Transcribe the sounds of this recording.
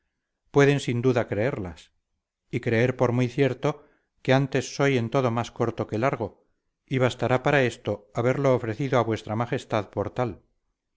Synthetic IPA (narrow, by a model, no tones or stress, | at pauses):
pwe̞ðe̞nsind̪uðakɾe̞eɾlas | ikɾe̞eɾpo̞ɾmujθje̞ɾt̪o̞ | keant̪e̞sːo̞je̞nt̪o̞ðomasko̞ɾt̪o̞kelaɾɣ̞o̞ | iβast̪aɾapaɾae̞st̪o̞aβe̞ɾlo̞ːfɾe̞θiðoaβwe̞st̪ɾamaχe̞st̪aðpo̞ɾt̪al